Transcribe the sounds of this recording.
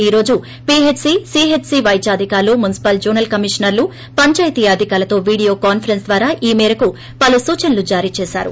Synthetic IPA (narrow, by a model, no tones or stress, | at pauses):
iːɾo̞ːd͡ʒu | piet͡ʃsisiːɦet͡ʃsiːʋɐjt͡ʃaːd̪ʱikaːɾloːmunisi̥pɐld͡ʒuːɾnɐlkɐmiʂɐnɐɾlu | pɐɲt͡ʃaːjt̪iːɐd̪ʱikaːɾɐt̪o̞ːʋiːɽijo̞ːkaːnpʰɐɾensd̪ʋaːɾaːʔiːmɛːɾɐku | pɐlusuːt͡ʃɐnɐlud͡ʒaːɾiːt͡ʃɛːsa̰ːɾṵ